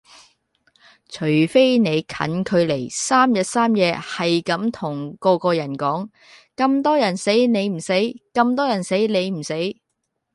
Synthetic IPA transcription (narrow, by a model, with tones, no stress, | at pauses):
t͡ʃʰɵ˨˩ɥfe˥jne˨˧jkʰɐ̰˨˥nkʰɵ˨˧ɥle˨˩jsaː˥mjɐ˨t̚saː˥mjɛː˨˧hɐ˨jkɐ˨˥mt̪ʰʊ˨˩ŋkɔː˧kɔː˧jɐ˨˩nkɔː˨˥ŋ | kɐ˧mt̪ɔː˥jɐ˨˩nse˨˥jne˨˧jm̩˨˩se˨˥jkɐ˧mt̪ɔː˥jɐ˨˩nse˨˥jne˨˧jm̩˨˩se˨˥j